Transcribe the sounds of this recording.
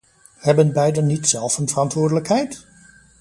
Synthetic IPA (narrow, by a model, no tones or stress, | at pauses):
hɛbənbɛjdənːitsɛlˠfənv̥ərɑntʋʊːɹdələkɦɛjt